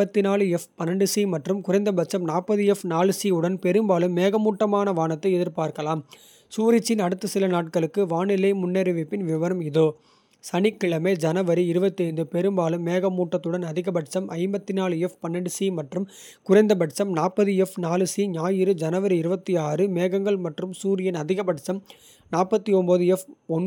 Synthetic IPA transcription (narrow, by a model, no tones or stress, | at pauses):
ɐt̪ːinaːlɯɛfpɐnːɐɳɖɯsimɐʈrɯmkʊrɐɪnd̪ɐbɐʈt͡ʃːɐmnaːpɐðɯɛfnaːlɯsiɯɽɐnpɛɾɯmbaːlɯmːeːɣɐmuːʈːɐmaːnɐʋaːnɐt̪ːɐɪɛðɪɾpaːɾkɐlaːm | suːɾɪt͡ʃːɪnɐɽɯt̪ːɯsɪlɐnaːʈ̚kɐɭɯkːɯʋaːɳɪlɐɪmʊnːeːɾɐʋɪpːɪnʋɪʋɐɾɐmɪðoː | sɐnɪkːɪɭɐmeːd͡ʒɐnɐʋɐɾiɪɾɯbɐt̪ːɐɪnd̪ɯpɛɾɯmbaːlɯmːeːɣɐmuːʈːɐt̪ːɯɽɐnɐðɪɣɐbɐʈt͡ʃɐmʔɐɪmbɐt̪ːɪnaːlɯɛfpɐnːɐɽɯsimɐʈrɯm | kʊrɐɪnd̪ɐbɐʈt͡ʃɐmnaːpːɐðɯɛfnaːlɯsiɲaːjɪɾɯd͡ʒɐnɐʋɐɾiɪɾɯbɐt̪ːiaːrɯmeːɣɐŋɡɐɭmɐʈrɯmsuːɾɪjɐnɐðɪɣɐbɐʈt͡ʃɐm | naːpːɐt̪ːiɔnbɐðɯɛfɔn